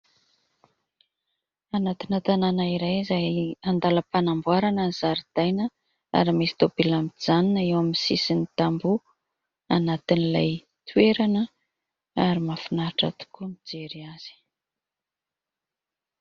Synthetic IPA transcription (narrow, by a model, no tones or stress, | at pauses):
anat̪inat̪ananaiɾajizajand̪aləpanambuaɾanəniz̥aɾid̪̥ajnə | a̰ɾimesi̥t̪obilamid͡zaninəewaminisisinit̪ambu | anat̪inilaj | t̪ʰueɾanə | aɾimafinaʈ͡ʂa̰t̪u̥kumid͡zeɾiaz̥i̥